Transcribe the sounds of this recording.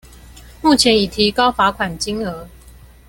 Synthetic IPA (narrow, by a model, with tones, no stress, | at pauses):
mu˥˩t͡ɕʰjɛ˨˦ni˨˩t̪ʰi˨˦kɑ˦ʊfa˨˦kʰwa˨˩nt͡ɕi˦ŋə˨˦